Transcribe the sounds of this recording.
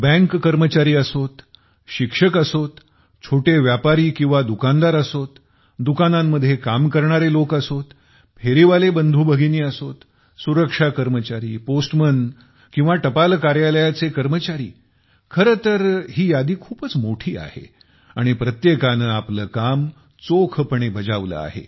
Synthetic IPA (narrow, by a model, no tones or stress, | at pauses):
bə̃ŋkːəɾmət͡ɕaɾiːəsot̪ | ɕikʂəkəsot̪ | t͡ɕʰoʈeʋjapaɾiːkĩw̃ʋad̪ukand̪aɾəsot̪ | d̪ukanamːəd̪ʱjekamkəɾɳaɾelokəsot̪ | pʰeɾiʋalebənd̪ʱuːbʱəɡʱiniːəsot̪ | suɾəkʂakəɾmət͡ɕaɾiːposʈmən | kĩw̃ʋaʈəpalkaɾjaləjat͡sekəɾmət͡ɕaɾḭː | kʰəɾət̪əɾɦiːjad̪iːkʰuːpət͡smoʈʰiːa̰hḛ | aɽ̃ipɾət̪jekanəapləkam | t͡sokʰəpəɳebʱəd͡zaʋlə̰a̰ɦḛ